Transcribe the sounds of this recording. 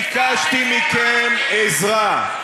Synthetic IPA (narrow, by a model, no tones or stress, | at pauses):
kaʃt̪imikemezʁa